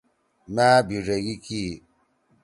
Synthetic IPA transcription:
maːbiɾeɣiki

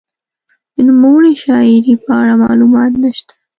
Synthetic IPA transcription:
d̪̥ənumawəɽiʃɑɪɾipəaɽamɑ̰lumɑt̪naʃt̪ḁ

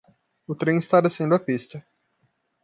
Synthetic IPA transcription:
ʊt̪ɾẽj̃ɪst̪ad̪esẽnd̪ʊɐpist̪ɐ

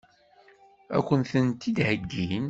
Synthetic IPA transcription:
æ̰kʷːənθənt̪id̪həɡːin

